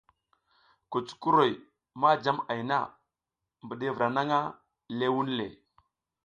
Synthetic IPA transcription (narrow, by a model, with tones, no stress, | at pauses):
ku˨t͡su̥˦ku˦ɾo˨j | ma˦d͡ʒa˦ma˨jna̰˦˨ | mbə˨ɗe˦˨vɾa˨na˦ŋa˦ | le˦wu˦n˦lḛ˨